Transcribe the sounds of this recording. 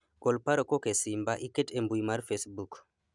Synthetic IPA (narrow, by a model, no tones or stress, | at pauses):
ɡɔlpaɾokokesimbaʔiketembujmaɾfesbuk